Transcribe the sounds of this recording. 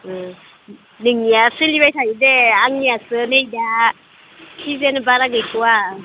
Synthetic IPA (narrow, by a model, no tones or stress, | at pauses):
niŋasilibatajideaŋiasəneida | ʃizenibaɾaɡakʲiwa